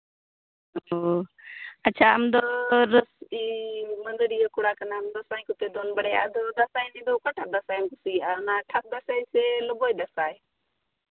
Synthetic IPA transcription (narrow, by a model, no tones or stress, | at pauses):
oː | ətːt͡ʃʰaːəmd̪oɾəsiːmənd̪əɾiːokʊɽaːkənaːmd̪osaːĩkʊt̪eːd̪oːnbəɽeːa̰ːd̪ʱoːd̪ɐsaːĩnĩːd̪oːkoʈʰad̪əsaːnkʊsiːanaːʈʰɐk̚d̪ɐsaːiselʊboːid̪ɐsaːe